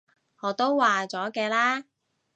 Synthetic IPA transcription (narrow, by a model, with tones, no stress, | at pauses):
ŋɔː˨˧˥t̪o˥wwaː˨˩t͡sɔː˨˥kɛː˧laː˥